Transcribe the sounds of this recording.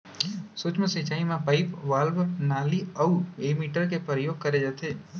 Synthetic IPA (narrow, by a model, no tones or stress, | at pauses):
sʊt͡ʃməsit͡ʃaːimãpaɪpʋaːlʋənaːliəuemiːʈəɾk̬epɾəjoːɡ̚kəɾed͡ʒat̪ʰeː